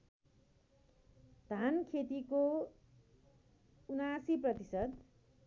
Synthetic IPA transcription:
d̪ʱankʰet̪iko | unasiprʌt̪isʌd̪

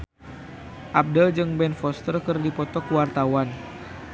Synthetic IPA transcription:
ʔap̚dəld͡ʒɨŋbɛnfɔst̪ərkərdipɔt̪ɔkuwart̪awan

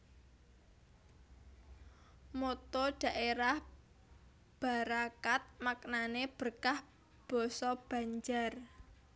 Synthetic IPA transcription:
mot̪ɔɖ̥a̤ʔeɾah | b̥a̤ɾakat̪̚maknaneb̥ərkah | b̥ɔ̤sɔb̥ä̤ɲd͡ʒar

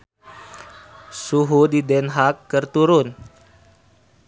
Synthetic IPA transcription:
suɦudidɛnɦakːərt̪uɾʊn

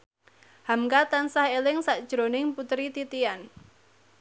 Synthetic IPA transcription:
hamkat̪ansahelɪŋsaʔd̥ʒ̥ɾonɪŋput̪ɾit̪it̪ian

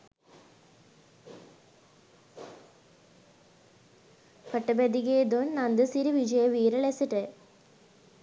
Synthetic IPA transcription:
pɐʈːɐbɐd̪iɡeːd̪oːnnɐnd̪ɐsiɾiʋid͡ʑɐjɐʋiːɾɐɭesiʈːɨ

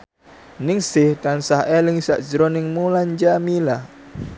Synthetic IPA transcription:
nɪŋsɪht̪ansahɛlɪŋsaʔd͡ʒɾɔniŋmuland͡ʒamilah

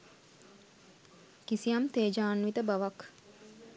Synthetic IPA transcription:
kisiamt̪eːd͡ʒaːnʋit̪əbaʋak

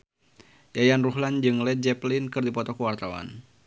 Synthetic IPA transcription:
jajanruɦland͡ʒɨŋlɛd͡ʒɛplinkɨrdipɔt̪ɔkəwart̪awa̰n

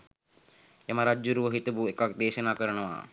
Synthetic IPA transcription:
jamaɾad͡ʒuɾuʋəɦit̪ɐbuekak̚d̪eːʃɐnaːkəɾənəʋa̰

